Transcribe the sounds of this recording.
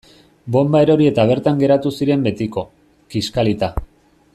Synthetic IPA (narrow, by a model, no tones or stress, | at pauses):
bo̞mbae̞ɾo̞ɾie̞t̪aβ̞e̞ɾt̪aŋɡe̞ɾat̪usiɾe̞mbe̞t̪iko̞ | kiskalit̪a